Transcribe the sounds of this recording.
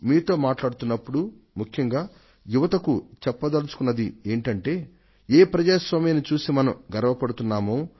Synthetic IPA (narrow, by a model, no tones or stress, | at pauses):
miːt̪o̞ːmaːʈlaːɽut̪unːɐpːuɽu | mukʰjɐŋɡaː | juʋɐt̪ɐkut͡ʃɛpːɐd̪ɐlut͡ʃu̥kunːɐd̪ie̞ːɳʈɐɳʈe̞ː | eːpɾɐd͡ʒaːsʋɐmɐjɐnit͡ʃuːsimɐnɐmɡɐɾɐʋɐpɐɽut̪unːaːmoː